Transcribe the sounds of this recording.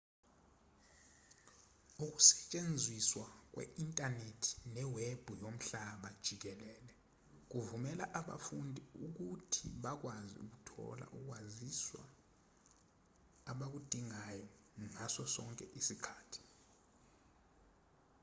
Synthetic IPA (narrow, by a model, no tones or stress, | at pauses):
uk̬u̥sɛ̥t͡ʃʼend͡zʱiswak̬wɛ̰intʼanetʰi̥nɛweb̥ʱujom̩ɬaɓad̥ʒ̥ʱik̬ɛlɛːlɛ | k̬uvumɛlaʔaɓa̰fundʱiuk̬utʰḭɓak̬waziṵk̬utʰɔ̰la̰ʔuk̬waziswa̰ | ɓak̬ud̥ʱiŋajɔ | ŋasɔsɔŋkʼɛʔisikʰaːtʰi̥